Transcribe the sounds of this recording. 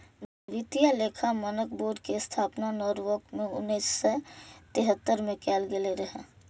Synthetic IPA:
n | ʋit̪ijaleːkʰamənək̚ʰboːɖkest̪ʰaːpnanɔːɾʋoːkmẽʊ̰nːiːsːet̪eɦət̪ːəɾmẽkɛːlɡeleɾəɦḛ̃ː

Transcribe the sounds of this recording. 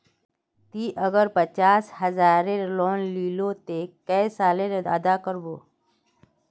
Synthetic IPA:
t̪iːʔəɡəɾpət͡ʃaːsɦəzaːɾeloːnliːlot̪ekəjsaːleɾə̰d̪akəɾboː

